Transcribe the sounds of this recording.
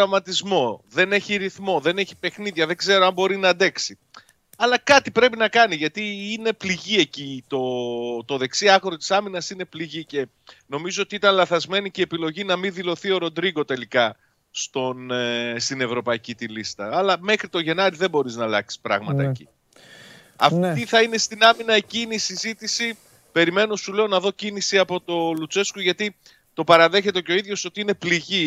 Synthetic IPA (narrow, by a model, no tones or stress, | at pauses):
ɐmɐt̪izmo̞ðe̞ne̞çiɾiθmo̞ðe̞ne̞çi̥pe̞xniðʝɐðe̞ɡze̞ɾoɐmbo̞ɾinɐd̪e̞ksi | ɐlɐkɐt̪ipɾe̞pinɐkɐniʝɐt̪iine̞pliʝie̞cit̪o̞t̪o̞ðe̞ksiɐxoɾot̪i̥sɐminɐsine̞pliʝice̞ | no̞mizoot̪iit̪ɐnlɐθɐzme̞niceːpilo̞ʝinɐminðilo̞θio̞ɾo̞d̪ɾiɣo̞t̪e̞likɐ | st̪o̞nst̪ine̞vɾo̞pɐicit̪ilist̪ɐːlɐme̞xɾit̪o̞ʝe̞nɐɾiðe̞bo̞ɾiznɐlɐksi̥spɾɐ̰ɣmɐt̪ɐḛcḭ | ɐ̰fiθɐine̞st̪inɐminɐeciːneisizit̪isi | pe̞ɾime̞no̞sule̞o̞nɐðo̞cinisiɐpo̞t̪o̞lut͡se̞skoʝɐt̪i | t̪o̞pɐɾɐðe̞çe̞t̪e̞ceo̞iðʝo̞so̞t̪iine̞pliʝi